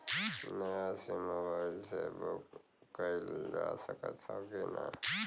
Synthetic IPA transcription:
nəjasimoːbaːɪlsḛbok | kəild͡ʒasəkə̰t̪ʰakena̰

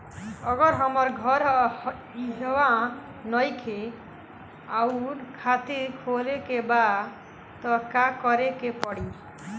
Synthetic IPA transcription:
ɔɡɔɾɦɔmɔɾɡʱɔɾ | iɦwa | nɔjkʰe | awnkʰat̪iɾkʰolekeba | t̪ɔkakɔɾekepɔɽi

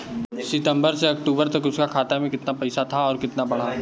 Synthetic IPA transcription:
sɪʈ̪ə̃mbəɾseɐkʈuːbəɾt̪ɐkʊskakʰaːt̪amẽkɪt̪napɐɪsat̪ʰaɔːɾkɪt̪nabɐɽ̤aː

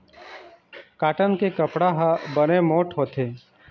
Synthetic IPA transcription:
kaːʈənkekəpɽaɦabənemoːʈɦoːt̪ʰeː

